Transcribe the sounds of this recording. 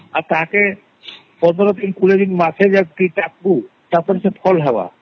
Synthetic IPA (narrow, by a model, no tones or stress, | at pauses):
aɾt̪aɦake | pɔɾt̪ɔɾot̪inkuled̪inmat͡ʃʰed͡ʒaʈiʈak̚bu | t̪apoɾesepʰɔlɦawa̰